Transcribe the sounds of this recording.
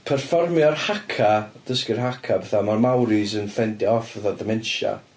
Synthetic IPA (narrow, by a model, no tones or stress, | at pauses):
pʰɛrfɔrmjɔrhakʰad̥əskɪrɦakʰabɛθamarmawɾɪsənfɛndiɔfvəθadəmɛnʃa̰